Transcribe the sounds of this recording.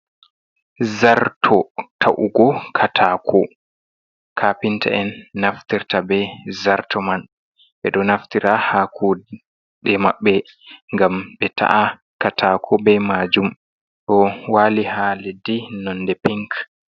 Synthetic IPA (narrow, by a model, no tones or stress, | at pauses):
zaɾtʰɔtʰaʔuɡɔkʰatʰaːkʰɔ | kʰapintʰa̰ʔɛnːaftiɾtabɛzaɾtʰɔman | ɓɛɗɔnaftiɾʔahaːkʰu | ɗɛma̰ɓːɛ | ŋɡamɓɛtʰa̰ʔa | katʰakʰɔbɛmaːd͡ʒum | ɗɔwaːlihalɛdinɔndɛpiŋk